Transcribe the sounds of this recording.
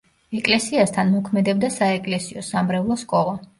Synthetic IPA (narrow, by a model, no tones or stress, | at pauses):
ɛkʼlɛsiast̪ʰanmɔkʰmɛd̪ɛbd̪asaɛkʼlɛsiɔsamɾɛvlˠɔskʼɔlˠa